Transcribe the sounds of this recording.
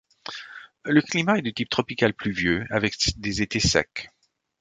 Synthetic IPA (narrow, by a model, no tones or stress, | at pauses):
ləklimaɛd̪ət̪ip̚t̪χɔpikalplyvjøavɛkd̪ezet̪esɛ̰k